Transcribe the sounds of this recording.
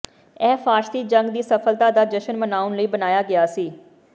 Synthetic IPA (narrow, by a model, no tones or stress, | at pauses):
ɛːfaːʃst̪iːd͡ʒə̃ŋɡd̪iːsəfʰəlt̪aːd̪aːd͡ʒəʃənmənaːʊnləiːbənaːjaːɡɪjaːsiː